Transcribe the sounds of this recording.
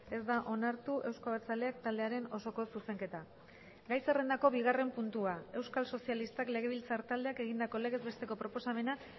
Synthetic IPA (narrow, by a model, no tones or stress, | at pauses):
e̞zd̪aʔo̞naɾt̪uʔe̞wskaβet͡sale̞akt̪ald̪eaɾe̞no̞so̞ko̞suse̞ŋke̞t̪a | ɡajse̞re̞nd̪ako̞βiɣ̞are̞mpunt̪uae̞wskalso̞sialist̪akle̞ɣ̞e̞β̞ilt͡saɾt̪ald̪e̞ake̞ɣind̪ako̞le̞ɣe̞zβe̞st̪e̞ko̞pɾo̞po̞same̞na